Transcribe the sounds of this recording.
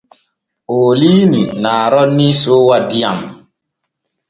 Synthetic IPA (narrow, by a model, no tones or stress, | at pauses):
oːlininaːɾɔnːisowadia̰m